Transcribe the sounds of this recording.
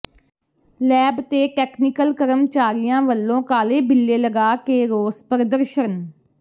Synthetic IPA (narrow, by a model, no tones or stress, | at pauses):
lɛːbt̪eːʈɛːkʰnɪkəlkəɾəmt͡ʃaːɾɪjãːʋəlːõːkaːleːbɪlːeːləɡaːkeːɾoːspəɾd̪əɾʃən